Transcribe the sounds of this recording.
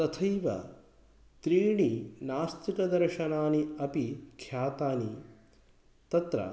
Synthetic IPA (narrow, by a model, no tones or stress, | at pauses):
t̪ɐt̪ʰɐjʋɐ̰ | t̪ɾiːɳinaːst̪ʰikɐd̪ɐɾʃɐnaːniɐpikʰjaːt̪aːni | t̪ɐt̪ɾɐ̰